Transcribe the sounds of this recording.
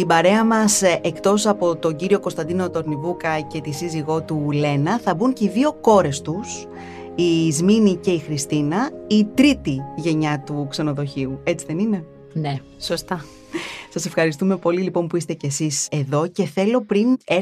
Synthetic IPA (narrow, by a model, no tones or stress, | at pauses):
ibɐɾe̞ɐmɐsekt̪o̞sɐpo̞t̪o̞ɟiɾio̞ko̞st̪ɐnd̪ino̞t̪o̞ɾnivukɐce̞t̪isiziɣo̞t̪ule̞nɐθɐbuɲceiðio̞ko̞ɾe̞st̪us | izminice̞ixɾist̪inɐit̪ɾit̪iʝe̞ɲɐt̪ukse̞no̞ðo̞çiue̞t͡siðe̞nine̞ | ne | sost̪ɐ | sɐse̞fxɐɾist̪ume̞po̞lilipo̞mpuist̪e̞cesise̞ðo̞ce̞θe̞lo̞pɾine